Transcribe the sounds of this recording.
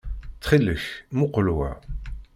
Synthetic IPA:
t͡sːχiləçmʊqəlwæ̰

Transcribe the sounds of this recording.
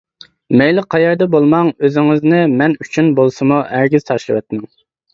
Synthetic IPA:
mɛjlˠɪqʰɑjɛɾd̪ɛbolˠmɑŋøzɪŋɪznɪmɛnyt͡ʃʰynbolˠsɨmuʔæɾɡʲiz̥t̪ʰɑʃlˠɨwɛt̪̚mɪŋ

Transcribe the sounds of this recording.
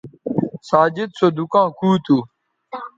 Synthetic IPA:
saːd͡ʑɪd̪̚sod̪ukãːkʰuːt̪uː

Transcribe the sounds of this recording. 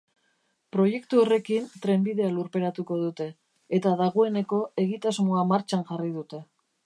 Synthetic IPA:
pɾo̞je̞kt̪uo̞re̞kint̪ɾe̞mbið̞e̞aluɾpe̞ɾat̪uko̞ð̞ut̪e̞ː | t̪aðaɣ̞o̞e̞ne̞ko̞e̞ɣit̪azmo̞amaɾt͡ʃanʝarið̞ut̪e̞

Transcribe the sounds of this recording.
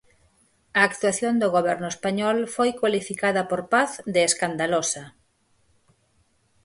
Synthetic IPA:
ɐːkt̪waθjond̪oɣoβ̞ɛɾnʊespaɲɔlfojkwalifikaðɐpoɾpaθðeːskand̪alosɐ

